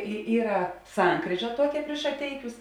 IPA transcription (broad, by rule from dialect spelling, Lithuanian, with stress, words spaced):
ɪ ˈiːrɐ ˈsɐŋkrʲiːʒɐ ˈtuɔkʲɛ pʲrʲɪʃ ʃɐˈtʲɛɪkʲʊs